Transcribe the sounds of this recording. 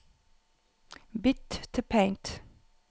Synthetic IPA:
bɪttʰːəpʰẽɪ̃nt

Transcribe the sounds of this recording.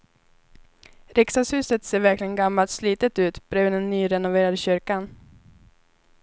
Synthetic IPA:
ɾɪksashʉ̟ːsət̪seːɾvæɾklɪɡənɡamːalt̪sliːt̪ət̪ʉ̟ːt̪b̥ɾøːnɛnːyːɾɛnʊveːɾad̪əɕʏɾkan

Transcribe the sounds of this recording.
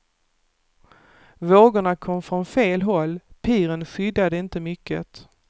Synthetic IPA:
voːɡʊɳakʰɔmːfɾɔnfeːlɦɔlːpʰiːɾənɧʏd̪ːad̪əɪnt̪əmʏkːə̰t̪

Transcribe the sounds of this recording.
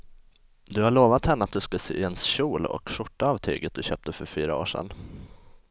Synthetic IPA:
d̪ɵhaɭoːvat̪hɛnːəat̪̚d̪ɵskasḛːʔɪɛnsɕuːlɔ̰kʂʊʈːaːvt̪ʰy̰ːɡət̪̚d̪ɵɕøːp̚t̪əfœɾfyːɾao̰ːʂɛ̰n

